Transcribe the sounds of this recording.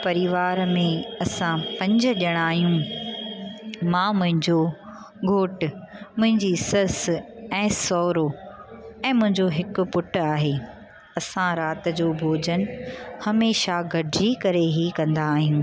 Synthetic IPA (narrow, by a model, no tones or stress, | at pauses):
pɐɾɪʋaːɾmẽɐsãpɐ̃ɲd͡ʑʊ̆ɗiəɽ̃aːɦijũ | mãːmʊ̃ɦɪ̃ɲd͡ʑo | ɡʱoːʈʊ̆mʊ̃ɦɪ̃ɲd͡ʑisɐsɛ̃ːsɔːɾo | ɛ̃ːmʊ̃ɦɪ̃ɲd͡ʑoɦɪkʊ̆pʊʈaːɦeː | ɐsãɾaːt̪ɪ̆d͡ʑoːbʱoːd͡ʑənhɐmeːʃaɡʱɐɖʱɪd͡ʑikɐɾeɦikɐ̃nd̪aːɦijũː